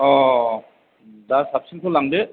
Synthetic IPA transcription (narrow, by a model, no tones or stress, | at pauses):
ɔ | dasap̚siŋtʰolaŋde